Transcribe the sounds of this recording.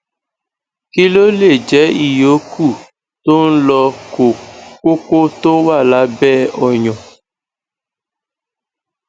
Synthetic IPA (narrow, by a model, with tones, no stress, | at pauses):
ki˦lo˦le˦˨d͡ʒɛ˨˦i˦˨jo˨˦kʰu˦˨ | to˦n̩˦lɔ˧ko˨ko˦ko˦to˦wa˦˨la˨˦bɛ˦ɔ˨ɲɔ̃˨